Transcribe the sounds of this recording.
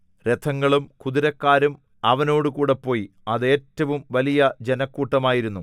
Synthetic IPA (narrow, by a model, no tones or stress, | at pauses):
ret̪ʰɐŋːɐɭumkuðiɾɐkːaːɾum | ɐʋɐno̞ːɽɨkuːɽe̞pːo̞ːji | ɐðe̞ːtːɐʋumʋɐlijɐd͡ʑe̞nɐkːuːʈːɐmaːjiɾunːu